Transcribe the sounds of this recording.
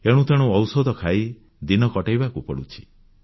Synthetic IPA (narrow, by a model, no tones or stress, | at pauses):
eɽ̃ũt̪eɽ̃uɔwsɔd̪ʱɔkʰai | d̪inɔkɔʈajbakupɔɽut͡ʃʰi̥